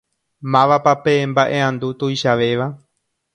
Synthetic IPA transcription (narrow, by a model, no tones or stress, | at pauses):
mãʋapapembaʔe̞ãnd̪ut̪ujʃaʋe̞ʋa